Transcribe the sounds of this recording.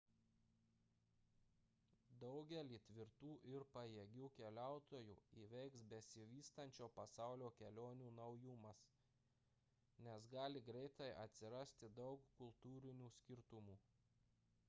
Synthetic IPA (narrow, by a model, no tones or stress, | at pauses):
d̪ɒʊɡʲɛlʲiːt̪ʲʋʲɪɾt̪uːʔɪɾpɐjɛɡʲuːkʲɛlʲæˑʊt̪oːjṵːiːʋʲɛɪksbʲɛsʲɪʋʲiːst̪ɐnʲt͡ʃʲoːpɐsɑˑʊlʲoːkʲɛlʲoːnʲuːnɐʊjʊmɐs | nʲɛsɡɑːlʲɪɡɾʲɛɪt̪ɐɪʔɐt̪ʲsʲɪɾɐsʲt̪ʲɪd̪ɒʊkkʊlˠt̪uːɾʲɪnʲuːsʲkʲɪɾt̪ʊmuː